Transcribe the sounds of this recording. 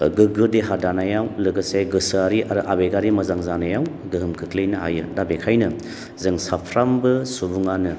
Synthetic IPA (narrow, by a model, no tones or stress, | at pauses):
ɡɯɡɯdeɦadanajawlɯɡɯsajɡɯsɯaɾiʔaɾɯʔabeɡaɾimɐzaŋzanajaw | ɡɯɦɯmkʰɯklejnɯɦa̰jɯdabekʰajnɯ | zɯŋsapʰɾambɯsubuŋanɯ